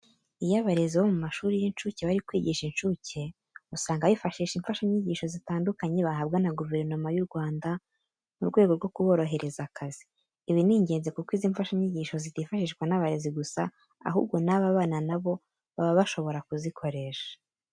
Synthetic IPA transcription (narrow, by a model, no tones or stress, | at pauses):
ijaβaɾe̞ziβo̞mumaʃuːɾijinʃuːceβaɾikwiːɟiʃinʃuce̞ | usaːŋɡaβifaʃiːʃiɱfaʃaɲɲiɟiːʃo̞zitaːndukaɲe̞βaɦabɡanaɡuve̞ɾno̞majuɾɡwaːnda | muɾɡwe̞ɡoɾɡo̞kuβo̞ɾo̞ɦe̞ɾe̞zakʰaziː | βiniːɲɟe̞ːnzekukwiːziɱfaʃaɲiɟiːʃo̞zitiːfaʃiːʃwanaβaɾe̞ziɡusa̰ | a̰ɦṵb̚ɡo̞naβaβaːnanaβo̞ | βaβaβaʃo̞βo̞ɾakuzikʰo̞ɾe̞ʃḁ